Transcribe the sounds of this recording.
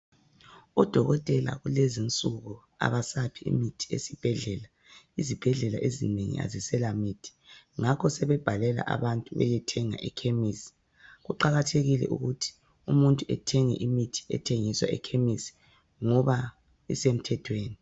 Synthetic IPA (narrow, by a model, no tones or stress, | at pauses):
ɔd̥ʱɔɣɔtʼɛla̰ɣulezint͡sʼuɣu | a̰βasapʰiḭmitʰi̥ḛsib̥ʱɛɮɛla | izib̥ʱɛɮɛla̰ʔezineŋḭa̰zisɛlamitʰi̥ŋakʰɔsɛβɛb̥ʱalɛla̰ʔa̰βantʼuβɛ̰jɛtʰɛŋa̰ʔɛkʰemisi̥ | ɣuǃaɣatʰeɣilɛ̰ʔṵɣutʰi̥ | umuntʼuɛ̰tʰɛŋɛ̰ʔimitʰi̥ɛ̰tʰeŋiswa̰ɛ̰kʰemisi̥ | ŋɔβa | isem̩tʰɛtʰweːni